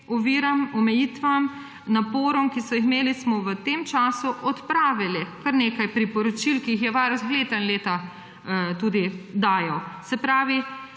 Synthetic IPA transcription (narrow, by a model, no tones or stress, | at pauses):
ɔʋiːɾamɔmɛjit̪ʋam | napoːɾɔmkisɔjixmeːlismɔʋət̪eːmt͡ʃaːsuʔɔt̪pɾaːʋilikaɾnekajpɾipɔɾɔt͡ʃilkiixjɛʋaɾozɣleːt̪ɐnleːt̪a | t̪ud̪id̪aːjɛwsɛpɾaːʋi